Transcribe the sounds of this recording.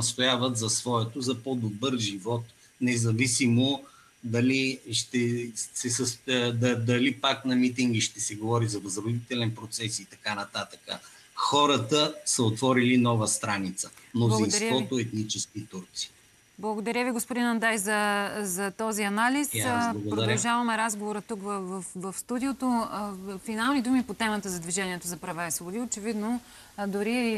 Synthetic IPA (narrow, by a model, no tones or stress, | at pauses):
əst̪ojavət̪zɐsvɔɛt̪ozɐpod̪obəɾʒivɔt̪ | nɛzɐvisimo | d̪ɐliʃt̪ɛsɛsəsd̪d̪ɐlipaknɐmit̪iŋɡiʃt̪ɛsɛɡovɔɾizɐvɐzɾod̪it̪ɛlɛnpɾot̪sɛsit̪ɐkanɐt̪at̪ə̥kə̰ | xɔɾət̪əsəot̪vɔɾilinɔvəst̪ɾanit̪səmnolˠind̪ɾvɔt̪oɛt̪nit͡ʃɛskit̪uɾt̪si̥ | blˠɐɡod̪ɐɾʲjəviɡospod̪inɐnd̪ajzɐzɐt̪ɔziɐnalislˠɐɡoɾod̪ɐɾɐlˠʒavɐmɛɾazɡovoɾət̪ukvvfvɐfst̪ud̪iot̪o | finalˠnid̪umipot̪ɛmət̪əzɐd̪viʒɛniɛt̪ozɐpɾɐvaisvobod̪iot͡ʃɛvid̪no | d̪ʊɾi